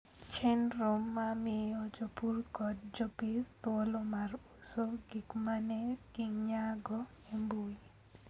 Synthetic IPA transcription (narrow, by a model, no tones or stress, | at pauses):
t͡ʃɛnɾomːamɪjɔd͡ʒopurkɔt̚d͡ʒopit̪wolomarusoɡikmanɛɡiŋɲaɡɔ | imbui